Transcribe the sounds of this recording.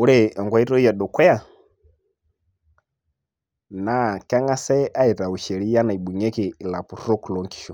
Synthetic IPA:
u˦ɾɛ˨ɔ˨ŋɡwa˨i˦tɔ˦i˦ja˨ɗɔ˨kwɛ˦a˦˨ | na˨ka˦ŋa˦sɛ˦ʔa˦ɛ˨ta˨u˨ʃɛ˨ɾi˦ja˦na˨i˨ɓu˨ɲɛ˦ki˨la˨pu˨rɔ˦ku˨lɔ˨˦ŋki̥˨ʃɔ˨

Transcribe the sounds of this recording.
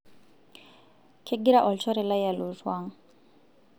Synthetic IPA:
kʰe˦ɡi˦ɾa˦ʔɔ˨lt͡ʃɔ˦ɾɛ˨la˦ja˨lu˨swa˦ŋ

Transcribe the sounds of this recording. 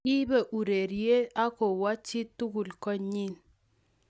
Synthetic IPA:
i˦be˨ʔu˨ɾe˨ɾi˨e˦a˦ko˨wa˦t͡ʃi˦tu˦ɡu˨lkɔ˦ɲi˦n

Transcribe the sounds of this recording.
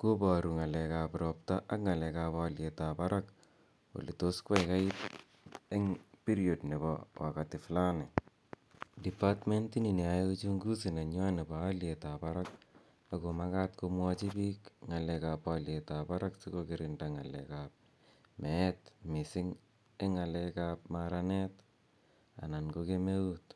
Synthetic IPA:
ko˦pa˨ɾu˨ŋa˨lɛ˨ka˨pɾɔp̚ta˦ʔa˦kŋa˨lɛ˨ka˧palje˨tapa˦ɾʔa˦k | o̰˨li˨to˦skwɛ˦jka˦i˦t | e˦ŋpi˦ɾio˨dne˨bɔ̰wa̰˨katɪ˨fla˦nɛ | di˨pa˦tme˦ntːi˦ni˨ni˨ai˦t͡ʃu˦ŋɡu˦s̬i˨na˨ɲ˦a˦ne˨ba˨a˦ljeta˨pa˦ɾak̚ | ako˨makatko˧mwɔt͡ʃi˦pikŋa˨lɛkapwalje˨tapa˦ɾa˦ksi˦kokɪɾɪnda˨ŋa˨lɛ̰˨kap̚ | mɛ˨tmɪ˨sɪ˦ŋ | e˦ŋa˨lɛ˦kap̚maɾane˦t | a̰˨na˨nkoke˦me˦wut̚

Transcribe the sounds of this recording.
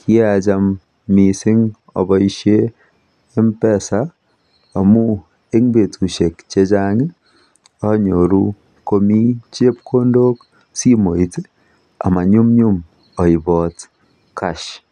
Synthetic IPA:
kʰi˦e˦a˨d͡ʒa˦mː | i˨sɪ˦ŋ | ɔ̰˨bɔ˦i˦ʃeː˦ | mpɛ˦˨saː˦˨ | mu˦ | e˦ŋbe˨tʰu˨ʃe˨kt͡ʃe˦d͡ʒa˦ŋe˦ | ɔ˦ɲo˨ɾu˦ | ko˦mi˦t͡ʃe˦pkʰo˦ndo˦k | si˦mo˨i˦te˦ | a̰˨ma˨ɲu˦mɲʊ˦m | ɔ˨ɪ˨bɔ˨t | kʰa˨ʃ

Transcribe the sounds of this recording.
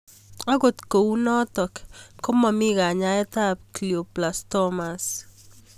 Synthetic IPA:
a˦ɡo˨t̪ko˨unɔ˦tɔ˨kkɔ˦ma˨mi˦ka˨ɲa˦ɛ˦ta˦p̚kljo˨plastɔmas

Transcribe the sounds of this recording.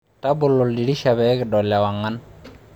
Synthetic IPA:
ta˦bʊ˨lo˨ldi˨ɾi˦ʃa˨βɛ˨˦kɪ˨dɔ˨la˨wa˨ŋːa˦n

